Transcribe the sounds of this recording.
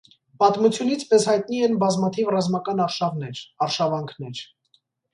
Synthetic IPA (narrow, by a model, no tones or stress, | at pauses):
pɑt̪mut͡sʰjunit͡sʰpɛshɑjt̪niɛnbɑzmɑt̪ʰivrɑzmɑkɑnɑɾʃɑvnɛɾɑɾʃɑvɑŋkʰnɛɾ